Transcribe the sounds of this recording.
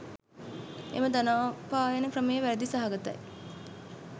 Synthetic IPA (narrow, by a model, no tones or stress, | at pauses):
ḛməd̪anaːpaːjanəkrəmejəʋæɾd̪isaɦaɡat̪ɐ̰j